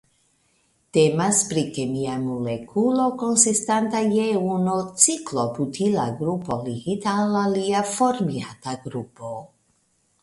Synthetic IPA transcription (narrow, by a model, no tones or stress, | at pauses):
temaspɾikemiamolekʰulo̞ko̞nsistantajeunot͡siklo̞putʰila̰ɡɾupo̞liɡitaːlːaliafo̞ɾmiataɡɾupo̞